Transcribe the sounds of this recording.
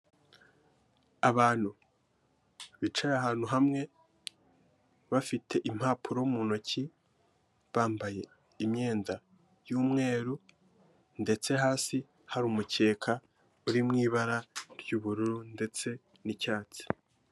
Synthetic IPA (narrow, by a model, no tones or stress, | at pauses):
aβaːn̥hu | βit͡ʃajaɦaːn̥huɦamŋe̞ | βafitʰe̞ʔim̥haːpʰuɾoumuno̞cʰi | βaːmbaje̞ | imɲe̞ːnda | juːmŋe̞ːɾu | nde̞t͡se̞ɦaːsi | haɾuːmuce̞ːkʰa | uɾimŋiːβaɾaɾjuːβuɾuɾunde̞t͡se̞ | nicaːt͡si̥